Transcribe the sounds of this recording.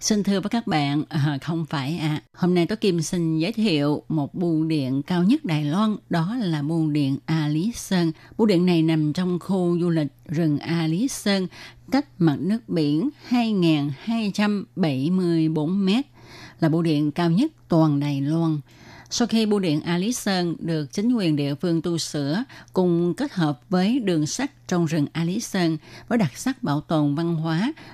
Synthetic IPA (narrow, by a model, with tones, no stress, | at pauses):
si˧nt̪ʰɨ˧əvəː˨˦jkaː˦˥k̚ɓa̰ː˧˨nʔə˨˩xə˧wŋ͡mfaː˧˩jʔaː˧˨˩ho˧mna˧jt̪o˨˦jki˧˩msï˧˩ŋ̟zəː˨˦jt̪ʰḭ˧˨əwmo˨˩t̚ɓu˧˩ɗḭ˧˨ənkaː˧wɲə˦˥t̚ɗaː˨˩jlwa˧nɗɔ˨˦laː˨˩ɓu˧ɗḭ˧˨ənʔaː˧li˨˦səː˧nɓṵ˧˥ɗḭ˧˨ənːa˨˩jna˨˩mt͡ɕɔ˧wŋ͡mxu˧zu˧lï˨˩k̟̚zɨ˨˩ŋʔaː˧li˨˦səː˧nka˦˥jk̟̚ma˨˩t̚nɨ˦˥ək̚ɓḭ˧˩˨ənhaː˧jŋaː˨˩nhaː˧jt͡ɕa˧mɓə˧˩jmɨ˧əjɓo˨˦nmɛ˦˥t̚laː˨˩ɓo̰˧˥ɗḭ˧˨ənkaː˧wɲə˦˥t̚t̪waː˨˩nɗaː˨˩jlwa˧n | sa˧wxi˧ɓo̰˧˥ɗḭ˧˨ənʔaː˧li˨˦səː˧nɗɨ˨˩ək̚t͡ɕï˨˦ŋ̟kwi˨˩ənɗḭ˧˨əfɨ˧əŋt̪u˧sɨ̰˧˥əkʊ˧˩ŋ͡mke˦˥t̚həː˨˩p̚vəː˨˦jɗɨ˨˩əŋsa˦˥k̟̚t͡ɕɔ˧wŋ͡mzɨ˨˩ŋʔaː˧li˨˦səː˧nvəː˨˦jɗa˨˩t̚sa˦˥k̚ɓa̰ː˧˩wt̪o˨˩nva˧nɦwaː˨˦